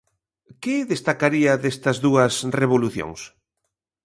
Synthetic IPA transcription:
keðest̪akaɾiɐðest̪ɐzðuɐsreβ̞oluθjo̰ŋs

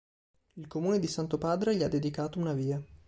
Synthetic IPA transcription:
ilkomuːned̪isant̪opaːd̪ɾeʎiad̪ːed̪ikaːt̪ounaviːa

